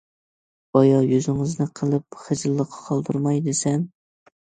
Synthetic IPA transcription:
bɑjɑjøzɪŋɨznɪqʰəlˠɨp̚χɨd͡ʒɨlˠːəqʰːɑ̥qʰɑlˠd̪ɨɾmɑjd̪esɛm

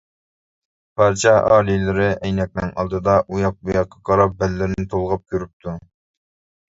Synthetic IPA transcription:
pʰɑɾt͡ʃʰɑʔɑ̰ːlˠilɪɾɪɛjnɛk̚ʲmɪŋɑ̰lˠd̪ɨd̪ɑʔujɑq̚bujɑqːɑqʰɑɾɑp̚bɛlːɪɾɪnɪt̪ʰolˠʁɑp̚kʲʰøɾyp̚t̪ʰu

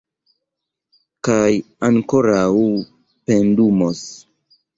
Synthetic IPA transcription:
kaj | aŋkoɾaw | pendumos

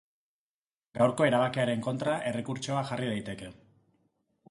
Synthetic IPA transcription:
ɡawɾko̞e̞ɾaβakeaɾe̞ŋko̞nt̪ɾaʔe̞re̞kuɾt͡ʃo̞aʝarið̞ajt̪e̞ke̞

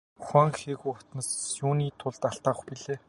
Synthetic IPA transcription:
xaŋxeːɣujʊt̪nə̆sjuːniːt̪ʰʊɮt̪aɬt̪aːʁə̆xpiɮeː

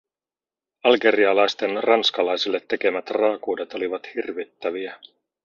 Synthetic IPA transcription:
ɑlɡe̞ɾiɑlɑjst̪e̞nrɑnskɑlɑjsilːe̞t̪ːe̞ke̞mæt̪rɑːkuːde̞t̪o̞liʋɑt̪hirʋit̪ːæʋiæ

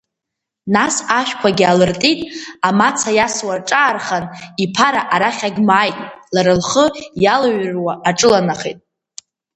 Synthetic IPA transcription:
nasaʃʷᶣkʷʰaɡʲɪalɨrtʼitʼamat͡sʰajaswarʈ͡ʂʼaːrχanipʰaɾaʔaɾaχʲaɡʲmaːjtʼlaɾɨlχəjalaɥrwaʔːʈ͡ʂʼɨlanaχḭtʼ

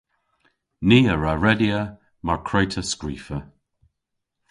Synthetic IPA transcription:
niːəɹaɹɛdiə | maɹkʰɹɛjtʰəskɹiːfə

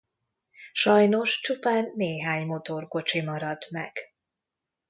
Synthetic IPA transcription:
ʃɒjno̞ʃt͡ʃupaːnːeːɦaːɲmo̞t̪o̞rko̞t͡ʃimɒɾɒd̪mɛ̰ɡ̥

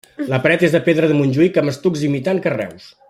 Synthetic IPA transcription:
ləpɾɛt̪ezðəpeðɾəðəmunʲʒuikəməst̪ukzimit̪aŋkərɛ̰ws

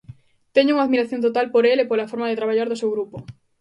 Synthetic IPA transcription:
t̪ɛɲuŋaðmiɾaθjõnt̪ot̪alpoɾelepolafoɾmaðet̪ɾaβ̞aʎaɾðʊsewɣɾupo

